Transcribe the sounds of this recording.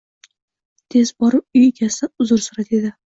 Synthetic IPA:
t̪ʰe̞zbɒɾɪp̚ʊjeɡʲʰasaʊzʊɾsʊɾat̪e̞d̪ɪ

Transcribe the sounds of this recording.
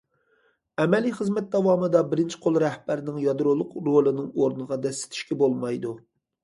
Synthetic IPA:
ɛmɛliχəzmɛt̪̚d̪ɑwɑːmɨd̪ɑbɪɾɪnt͡ʃʰi̥qʰolˠɾɛhb̥æɾɪnɪŋjɑd̪ɾolˠːʊqɾolˠɨnɨŋoɾnɨʁɑd̪ɛsɪ̥t̪ʰɪ̥ʃkʲɛbolˠmɑjd̪u

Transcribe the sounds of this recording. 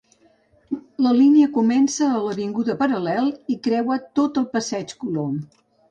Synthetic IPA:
ləliniəkumɛnsəːləβiŋɡuðəpəɾəlɛlˠikɾɛwət̪ot̪əlˠpəsɛt͡ʃkulom

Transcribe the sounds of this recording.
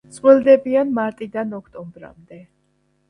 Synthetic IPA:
sʼχwɛlˠd̪ɛbianmaɾt̪ʼid̪anɔkʰt̪ʼɔmbɾa̰md̪ɛ

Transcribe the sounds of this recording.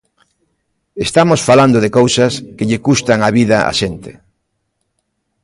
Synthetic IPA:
est̪amosfaland̪oðekowsaskeʎɪkust̪aŋaβiðaa̰ʃent̪e̥

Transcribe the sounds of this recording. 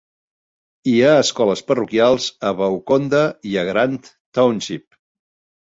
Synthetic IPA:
iaəskɔləspərukialˠzəβəwkond̪əiəɣɾant̪ | t̪awnʃip̚

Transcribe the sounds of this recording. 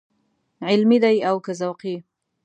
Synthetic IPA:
ʕɪlmid̪ajawkazawqi

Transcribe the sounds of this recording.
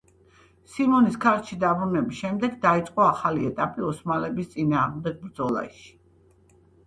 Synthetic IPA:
simɔniskʰaɾt̪ʃid̪abɾunɛbisʃɛmd̪ɛɡd̪ait̪sʼqʼɔaχaliɛt̪ʼapʼiɔsmalɛbist̪sʼinaːʁmd̪ɛɡ̚bɾd̪zɔlˠa̰ʃi̥

